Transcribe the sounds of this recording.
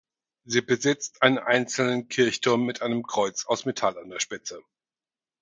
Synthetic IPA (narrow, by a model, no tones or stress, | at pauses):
ziːbəzɪt͡stʔaɪnənʔa̰ɪnt͡sl̩nənkʰɪɐçtʰʊɐmːɪtʔaɪnəmkʁ̥ɔʏt͡saʊsmetʰalandeːɐʃpɪt͡sə